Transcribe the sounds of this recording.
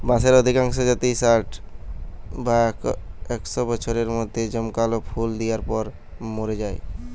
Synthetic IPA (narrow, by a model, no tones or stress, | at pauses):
bãseɾəd̪ʱikãŋksɔd͡ʒat̪isaʈʰ | bakɛksɔbɔt͡ʃʰoɾeɾmod̪ʱːed͡ʒəmkalopʰuld̪ijaɾpɔɾ | moɾed͡ʒae